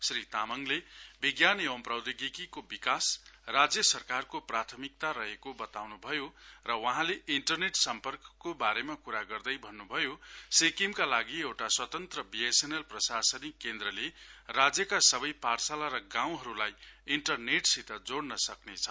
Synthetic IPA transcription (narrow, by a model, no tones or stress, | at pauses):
srit̪amʌŋlebiɡjanewʌmprʌwd̪iɡikikobikasrad͡zjʌsʌrkarkoprat̪ʰʌmik̚t̪aɾʌɦekobʌt̪awnubʱʌjorʌwʌɦãleʔiɳʈʌrneʈsʌmpʌrkʌ̥kːobaɾemakuɾaɡʌrd̪ʌjbʱʌnːubʱʌjosekimkalaɡiewʈaswʌt̪ʌnt̪rʌbiesenelprʌsasʌnikend̪ɾʌlerad͡zjʌkasʌbʌjparsalaɾʌɡãw̃ɦʌɾulajiɳʈʌrneʈsit̪ad͡zoɽnʌsʌknet͡sʰʌ̥